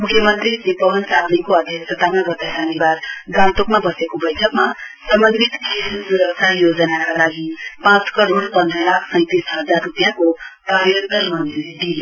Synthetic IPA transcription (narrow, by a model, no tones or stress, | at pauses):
mukʰjəmənt̪ɾid͡ʒipəʋənsatnikoad̪ʱjəksət̪amabət̪əɦanibaɾɡãnt̪okmabʌsekobəjʈʰəkmasəmbənd̪ʱit̪kʰessə̃ɦjod͡ʒənakalaɡipãt͡skəɾonpʌ̃nd̪ɾəlakʰsə̃ɪ̃t̪isɦəd͡zarːupijãkopaɾjənt̪əɾmənd̪iɾd̪ili